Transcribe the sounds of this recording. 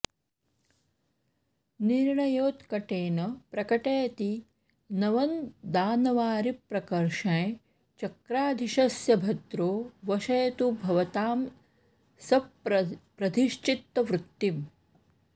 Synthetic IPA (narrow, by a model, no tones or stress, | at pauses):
niɾɳɐjoːt̪kɐʈeːnɐpɾɐkɐʈeːt̪i | nɐʋɐnd̪aːnɐʋaːɾipɾɐkɐɾʃɐ̃j | t͡ʃɐkɾaːd̪ʱiʃɐsjɐbʱɐt̪ɾoːʋɐʃɐjt̪ubʱɐʋɐt̪aːm | sɐp̚pɾɐd̪ʱiʃt͡ʃit̪ːɐʋɾut̪ːim